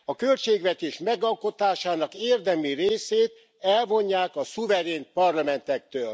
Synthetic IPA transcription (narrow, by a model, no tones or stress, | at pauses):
ɒkølt͡ʃeːɡʋɛt̪eːʃmɛɡɒlko̞t̪aːʃaːnɒkeːrd̪ɛmireːseːt̪ | ɛlvo̞ɲːaːkɒsuvɛɾeːnpɒrlɒmɛnt̪ɛk̚t̪øːl